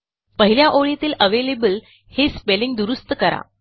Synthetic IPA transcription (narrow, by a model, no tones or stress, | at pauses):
pəɦiljaʔoɭit̪iːləʋelebəl | hespeliŋɡd̪uɾust̪əkəɾa̰